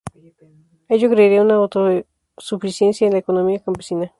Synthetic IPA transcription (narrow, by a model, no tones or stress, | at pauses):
ed͡ʒokɾeɾeunãot̪o | sufisjensjaẽnlaekonomiakãmpesinã